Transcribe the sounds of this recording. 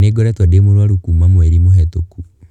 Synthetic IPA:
neɡɔɾɛtwademoɾwaɾukuːmamoɛɾimohɛtoku

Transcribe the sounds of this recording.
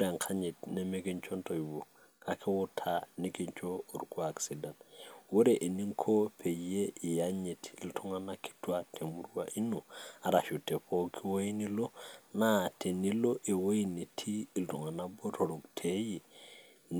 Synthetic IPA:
ɾaŋkʰaɲitnemeɡint͡ʃontoibo | kakʰewotʰanikiɲt͡ʃoːɾkuaksidantwoɾeʔeniŋkʰopʰejeijaɲetiltʰuŋanaki̥tuatʰemuɾwaʔinuaɾaʃutepokʰiwojinilonatʰeniloʔewojinitʰiːltuŋanaboɾoɾoktʰeji | n

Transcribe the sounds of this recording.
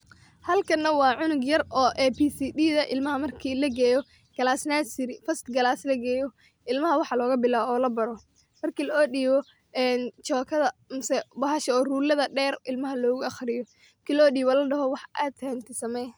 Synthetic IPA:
hɐlkʰɐnːɐwɑːʕʊnʊɡjɐrʔɔːʔɛːpʰisiːɗiːðɐʔɪlmɐɦɐmɐrkʰiːlɐɡɛːjɔ | ɡ̥ɐlaːsnasɪɾɪfɐst̪ɡɐlaːslɐɡɛːjɔ | ʔɪlmɐɦɐwɑħɑlɔːɣɐbɪlaːɔːlɐbɐɾɔ | mɐrkʰiːlɐɔːɗiːβɔ | ɛnt͡ʃɔːkʰɐðɐmʊsɛbɐɦɐʃɐɔːruːlɐðɐɖɛːrɪlmɐɦɐlɔːɣʊɐχrɪjɔ | kʰɪlɔːɖiːβɐlɐɖɐɦɔwɑħʔaːd̪kɛnt̪ʰɪsɐmɛj

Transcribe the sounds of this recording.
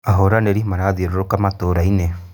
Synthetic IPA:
aɦoɾaneɾimaɾaðieɾoɾokamatoːɾaine

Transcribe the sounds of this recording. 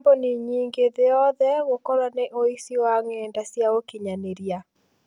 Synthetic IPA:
boniɲiːŋɡeðejɔðɛɣokɔɾwaneʔoisiwaŋɛndasjaɣokiɲaneɾia

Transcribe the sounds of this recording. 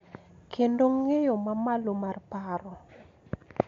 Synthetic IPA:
kʰendoŋejɔmamalomarpaɾɔ

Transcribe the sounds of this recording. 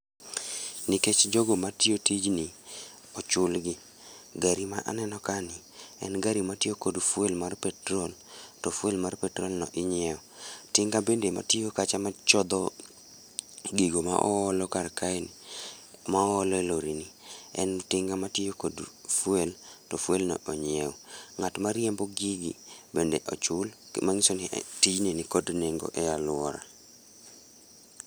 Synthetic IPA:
niket͡ʃd͡ʒoɡomatiotid͡ʒni | ɔt͡ʃʊlɡɪ | ɡaɾimaʔa̰nɛnɔkanɪ | ɛ̰nɡaɾimatiokodfwelmarpɛtɾoltɔfwelmarpɛtɾɔlnɔ̰ʔɪɲɛɔtɪŋɡabendema̰tiokat͡ʃamat͡ʃɔd̪ɔ | ɡiɡoma̰ʔɔ̰ɔlɔkaɾkaeni | maɔːlɔɛloɾiniɛ̰ntɪŋɡamatijokodfweltɔfwelnɔ̰ʔɔɲɛɔŋatmaɾjemboɡiɡḭbendeʔɔt͡ʃʊlmaŋɪsonitid͡ʒnenikodneŋɡo̰ʔɛalʊɔɾa̰

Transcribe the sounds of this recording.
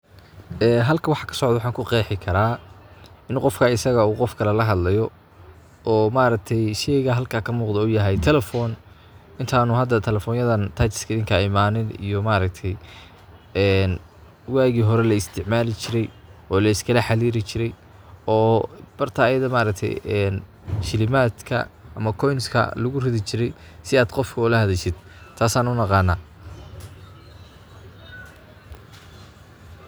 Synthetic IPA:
ɛːɦɐlkʰɐwɑħɑkʰɐ̥sɔʕd̪ɐwɑħɑːŋkʰʊqɛːħɪkʰɐɾaː | ɪnqɔfkʰaɪsɐɣɐuːqɔfkʰɐlɛlɐɦɐd̪lɐjɔ | ɔːmaːɾɐk̚t̪ʰɛjʃɛjɣɐɦɐlkʰaːkʰɐmuːqd̪ɔʊjɐɦɛjt̪ʰɛlɛfɔːn | ɪnt̪ʰaːnʊɦɐd̪ːɐt̪ʰɛlɛfɔːnjɐðɐnt̪ʰɐt̪ɪ̥skʰɐɪðɪŋkʰɐɪmaːnɪnḭjɔmaːɾɐk̚t̪ʰɛj | ɛːn | waːɣiːɦɔɾɛlɐɪst̪ʰɪʕmaːlɪt͡ʃʰɪɾɛjɔːlɐɪskʰɐlɐħaliːɾɪt͡ʃʰɪɾɛj | ɔːb̥ɐrt̪ʰɐːjɐðɐmaːɾɐkt̪ʰɛ̰jɛn | ʃɪlɪmaːd̪kʰɐ̰ʔɐmɐkʰɔjnskʰɐ̰lʊɣʊrɪðɪt͡ʃʰɪɾɛj | sɪaːd̪qɔfkʰʊʊlɐhɐðɛʃɪd̪̥t̪ʰaːsaːnʊnɑqɑːnːaː

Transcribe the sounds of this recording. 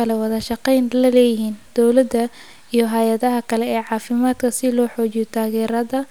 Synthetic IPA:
ɐlɛwɑðɐʃɑqɛjnlɐlɛːjɪɦiːnd̪̥ɔwlɐd̪ɐ | ijɞɦɐjɐðɐɦɐkʰɐlɛɛːʕɑːfɪmaːd̪kʰɐsɪlɔːħɔːt͡ʃjɔt̪ʰaːɣɛːɾɐðɐ

